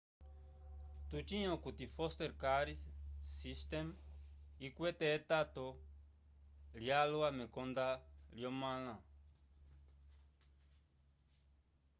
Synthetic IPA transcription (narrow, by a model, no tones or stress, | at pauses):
t̪ut͡ʃĩõkut̪ifost̪eɾkaɾissist̪em | ikwet̪eːt̪at̪o | ljalwamẽkond̪aljomãlã